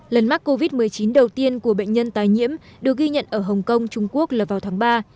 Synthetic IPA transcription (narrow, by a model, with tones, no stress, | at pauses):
lə˨˩nma˦˥k̚kːo˧vi˦˥t̚mɨ˨˩əjt͡ɕi˨˦nɗə˨˩wt̪i˧ənku˧˩əɓə̰˧˨jŋ̟ɲə˧nt̪aː˨˩jɲḭ˧˥əm | ɗɨ˨˩ək̚ɣi˧ɲə̰˧˨nʔəː˧˩ɦə˨˩wŋ͡mkə˧wŋ͡mt͡ɕʊ˧ŋ͡mku˦˥ək̚laː˨˩vaː˨˩wt̪ʰaː˨˦ŋɓaː˧